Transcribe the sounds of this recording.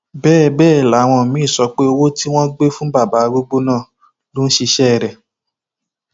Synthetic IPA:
bɛː˦˨bɛː˦˨la˨˦˧w̃ɔ̃˧˨mĩ˨˦˨sɔ˧k͡pe˦o˧wo˦ti˦w̃ɔ̃˦ɡ͡be˦fũ˦ba˦˨ba˨˦˧ɡ͡bo˦ɡ͡bo˦nãː˦˨ | lo˦n̩˦ʃi˧ʃɛ˦˨ɾɛ˨

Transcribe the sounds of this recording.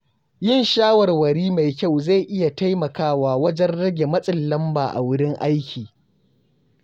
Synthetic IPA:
jɪ˦˨nʃaː˦wɐ˨rwɐ˨ɽiː˦ma˨jkʲa˦˨wza˦˨jʔɪ˦ja˨ta˦jmɐ˨kaː˦waː˨wɐ˦d͡ʒɛ˦nɽɐ˦ɡʲe˨mɐ˦sʼɪ˨lːɐ˦mbaː˨ʔa̰˨wʊ˦ɽɪ˦ŋʔa˦jkʲʰiː˨

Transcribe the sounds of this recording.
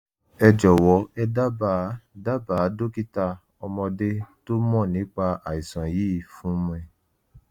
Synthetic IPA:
ɛ˧d͡ʒɔ˨wɔ˨˦ɛ˧da˦ba˦˨˦da˦baː˨˦do˦ki˦ta˧ | ɔ˧mɔ̃˧de˦to˦mɔ̃˦˨nĩ˨˦k͡pa˧a˨i˨sã˨jiː˦˨fũ˨˦m˦ɛ˧˨

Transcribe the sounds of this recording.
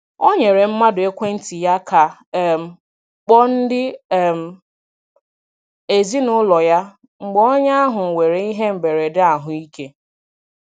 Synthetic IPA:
o˦ɲe˨ɾe˨m̩˦ma˦dʊ˨e˦kʷe˦n̩˦ti˨ja˦kʰa˨m̩˨ | k͡pɔ˦n̩˦dɪ˦˨m̩˨ | e˨zi˦nʊ˦lɔ˨ja˦ | ŋ͡m̩˨ɡ͡bɔ˦ɲa˦a˦ɦʊ˨we˨ɾe˨i˦ɦe˦m̩˨be˨ɾe˨dɪ˦a˨ɦʊ˨i˦ke˦

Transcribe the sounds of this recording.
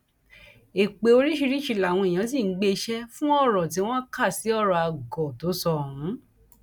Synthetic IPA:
e˨k͡pe˨o˧ɾi˦ʃi˧ɾi˦ʃi˧˨la˨w̃ɔ̃˧i˨j̃ã˨˦s̬ĩ˦˨n̩˦ɡ͡be˧ʃɛ˧fũ˦ɔ˦˨ɾɔ˨t̬i˨˦w̃ɔ̃˦ka˦˨si˨˦ɔ˦˨ɾɔ˨a˧ɡɔ˨to˨˦sɔ˧ũ˨˦

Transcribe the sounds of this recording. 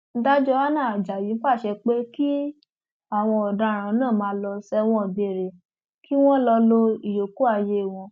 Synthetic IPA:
n̩˦da˦d͡ʒɔ˧a˦nã˦˨d͡ʒa˨ji˨˦k͡pa˦˨ʃɛ˧k͡pe˦ki˦ | a˨w̃ɔ̃˧ɔ˨da˧˦˨ɾ̃ã˨˦nãː˦˨mãː˦lɔ˧sɛ˦w̃ɔ̃˧˦˨be˨ɾe˨ | ki˦w̃ɔ̃˦lɔ˧lo˧i˨jo˨ku˦a˦˧˨je˦˨w̃ɔ̃˧

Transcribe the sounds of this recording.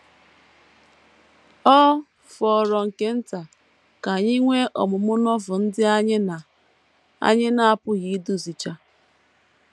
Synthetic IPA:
ɔ˦ | fɔ˨ɾɔ˨ŋ̩˨ke˦n̩˦ta˨ | ka˨ɲi˦ŋʷe˦ʔɔ̰˨mʊ˨mʊ˦nɔ˦vʊ˨n̩˦dɪ˦a˦ɲɪ˦na˨ | a̰˦ɲɪ˦na˦a˨pʊ˦ɣi˦du˦zi˨t͡ʃa˦

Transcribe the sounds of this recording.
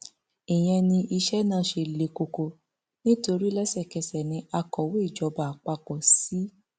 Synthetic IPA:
i˨j̃ɛ̃˧nĩ˧ʔi˧ʃɛ˦nãː˦˨˦ʃe˧le˨ko˨ko˨ | nĩ˦to˧ɾi˦lɛ˦sɛ˦˨kɛ˧sɛ˨nĩ˧˦a˧kɔ˨we˦i˦˨d͡ʒɔ˨˦ba˨k͡pa˧k͡pɔ˨si˨˦

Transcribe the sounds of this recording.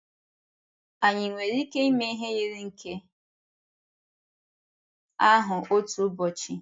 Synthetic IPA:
a˨ɲɪ˨ŋʷe˨ɾi˦ke˦i˦me˦i˦ɦe˦je˦ɾi˦ŋ̩˦kʰe˦ | a˦ɦʊ˨o˦tu˨˦bɔ˨t͡ʃi˦

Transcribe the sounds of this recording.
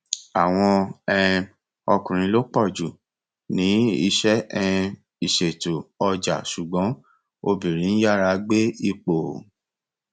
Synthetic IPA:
a˨w̃ɔ̃˧ɛ˦˧ | ɔ˧kũ˨ɾ̃ĩ˧lo˦k͡pɔ˦˨d͡ʒu˨ | nĩ˨˦i˧ʃɛ˦ɛ˧ | i˨ʃe˨to˨ɔ˧d͡ʒa˨su˨ɡ͡bɔ̃˨˦ | o˧bi˨ɾĩ˨˦n̩˦ja˦˨ɾa˧ɡ͡be˦i˧k͡po˨

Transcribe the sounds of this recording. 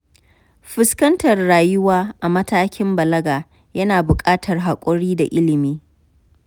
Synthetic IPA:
ɸɪ˦skɐ˦ntɐ˨rːaː˨jʊ˦waː˦ʔa˨mɐ˦taː˦kʲɪ˦mbɐ˨lɐ˦ɡaː˨ | jɐ˦naː˨bʊ˨kʼaː˦tʰɐ˨rɦa˨kʷʼɔ˦ɽiː˦da̰˨ʔɪ˦lɪ˨miː˦

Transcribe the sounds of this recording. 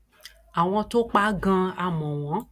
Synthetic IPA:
a˨w̃ɔ̃˧to˦k͡pa˦ɡã˧a˧˨mɔ̃˨w̃ɔ̃˨˦

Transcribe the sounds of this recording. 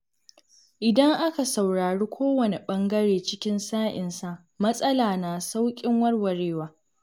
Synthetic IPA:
ʔɪ˨dɐ˦ŋʔa˦ka˨sa˨wɽaː˨ɽiː˦kʷʰoː˦wɐ˨ne˨ɓɐ˦ŋɡɐ˦ɽeː˨t͡ʃɪ˦kʲɪ˦nsaː˦ʔɪ̰˨nsa˦˨ | mɐ˦sʼɐ˦laː˨naː˨sa˦wkʲʼɪ˦ŋwɐ˦rwɐ˨ɽeː˦waː˦

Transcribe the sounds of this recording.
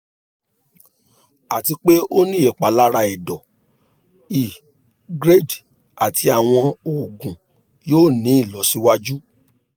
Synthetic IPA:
a˨ti˧k͡pe˦o˦nĩ˦e˨k͡pa˨˦la˦ɾa˧ɛ˨dɔ˨ | i˨ | ɡɾe˦˨d | a˨tʰi˧a˨w̃ɔ̃˧o˨ɡũ˨ | joː˦˨nĩ˨˦i˦˨lɔ˨˦si˦wa˦d͡ʒu˦

